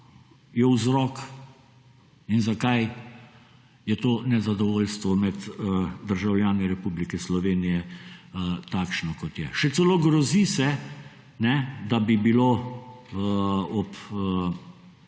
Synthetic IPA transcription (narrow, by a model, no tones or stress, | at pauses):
jɛwzɾɔːk | inzakaj | jɛt̪oːnɛzad̪ɔʋoːlst̪ʋɔmɛd̪əd̪əɾʒawljaːnɛɾɛpublikɛslɔʋeːnijɛət̪aːkʃnɔkɔt̪jɛ̰ʃɛt̪sɛloːɡɾɔzisɛ | nɛd̪abibilo | ɔp